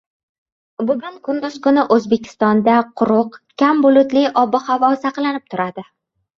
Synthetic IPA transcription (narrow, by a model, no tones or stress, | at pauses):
bʊɡʲʊŋkʰʊnd̪ʊz̥kʊnɪʔɵzbe̞kʲʰɪ̥st̪ɒnd̪aqʰʊɾʊqkʲambʊlˠʊt̪lɪʔɒbɪhavɒsaqlˠanɪp̚t̪ʰʊɾad̪ɪ